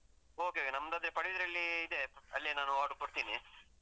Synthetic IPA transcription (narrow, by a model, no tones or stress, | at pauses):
oːkeokenɐmd̪aːd̪ɾepɐɽeid̪ɾɐlːiːd̪e̞ɐlːinaːnuaːɖukoɽt̪iːni